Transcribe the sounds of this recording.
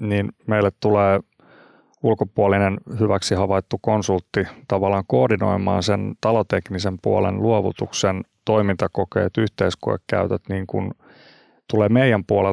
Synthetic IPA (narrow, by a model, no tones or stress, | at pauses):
niːnmeilːett̪uleː | ulkopuolinenhyʋæksihɑʋɑit̪ːukonsult̪ːit̪ɑʋɑlːˑɑːŋkoːrdino̰imɑ̰ːnsent̪ɑlot̪eknisempuolḛnluoʋṵt̪uksent̪oimint̪ɑkokḛːt̪yht̪eiskuḛkkæ̰yt̪æt̪niːŋkṵn | t̪uleːmeijæmpuole